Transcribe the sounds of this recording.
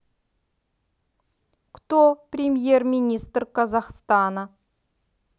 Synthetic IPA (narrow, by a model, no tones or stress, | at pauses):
kt̪oprʲɪmʲje̞rmʲinʲist̪rkʰazɑχst̪ɑnə